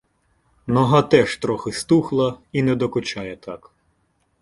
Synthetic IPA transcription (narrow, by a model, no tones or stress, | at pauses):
nɔɦɑt̪ɛʃt̪ɾɔxɪst̪uxlˠɐinɛd̪ɔkʊt͡ʃɑjɛt̪ɑk